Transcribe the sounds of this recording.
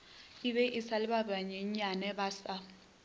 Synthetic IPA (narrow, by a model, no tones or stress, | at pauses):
iɓɛʔisalɪɓabaɲeɲanɛɓaːsa